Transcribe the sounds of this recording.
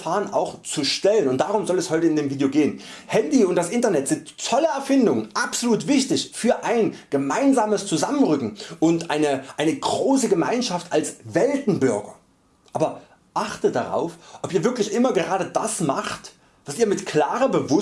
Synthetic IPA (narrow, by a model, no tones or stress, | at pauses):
faːʁəna̰ʊxt͡suʃtɛlənʊntd̥aːʁʊmzɔlɛshɔʏtəɪndeːmviːdjoːɡeːənhɛndiʊnt̚d̥asʔɪntɐnɛtz̥ɪnttʰɔləɛɐfɪndʊŋənʔapz̥oluːtv̥ɪçtɪçfyːɐʔaɪnɡ̥əmaɪnzaːməst͡suzamənʁʏkŋ̩ʔʊntʔaɪnəʔaɪnəɡʁoːsəɡəmaɪnʃaftalsvɛltn̩bʏɐɡɐ̰ | ʔaːbɐ | ʔaχtədaʁa̰ʊfʔɔpiːɐvɪɐklɪçʔɪmɐɡəʁaːdədasmaχt | v̥asiːɐmɪtkl̥aːʁəbəvʊ